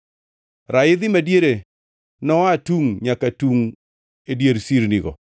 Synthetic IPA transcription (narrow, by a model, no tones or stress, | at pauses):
ɾaɪd̪ɪmadjeɾe | nɔatuŋɲakatuŋ | edjeɾsiɾniɡɔ̰